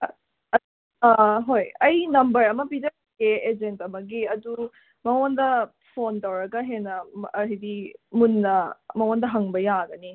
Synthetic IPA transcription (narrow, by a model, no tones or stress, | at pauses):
ɦojɐjnɐmbɐɾɐmɐpid͡ʒɐ | keed͡ʒentɐmɐɡiɐdu | mɐwondɐ | pʰontɐwɾɐɡɐɦenɐɦidimunːɐmɐwandɐɦɐŋbɐjaɡɐni